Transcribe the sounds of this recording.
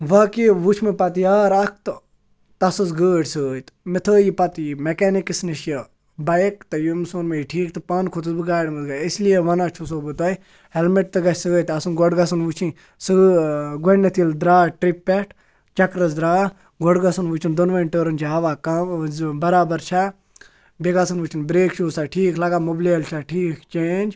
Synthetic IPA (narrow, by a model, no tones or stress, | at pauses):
ʋakiʋut͡ʃʰmepɐt̪̬ijaːɾɐk̚ʰt̪ | t̪ɐsusɡəːɽʲsəːjt̪mɪt̪ʰəːjipɐt̪imekɛːnikisniʃjɐ | bɐjkt̪ɐjumsuːnmeiʈʰiːkt̪ɨpaːnkʰot̪usbɨɡaːɽmɨt̪ɡaislijeʋɐnat͡ʃʰusoːbɨt̪oːi | helmeʈ̚t̪ɨɡɐt͡ʃʰʲsəːjt̪ɐsunɡɔɖɡɐsunʋut͡ʃʰĩ | sɨɡɐnːɐt̪ʰild̪ɾaːʈɾipːɛʈʰ | t͡ʃɐkɾɐsd̪ɾaː | ɡoɽɡɐsunʋut͡ʃʰind̪onʋɐnʈəːɾɐnt͡ʃʰiɦɐʋaːkabɐɾaːbɐɾt͡ʃʰa | biɡɐsunʋut͡ʃʰinbɾeːkt͡ʃʰuːsaːʈʰiːklɐɡaːmobliɐlt͡ʃʰaːʈʰiːkt͡ʃeːnʲd͡ʒ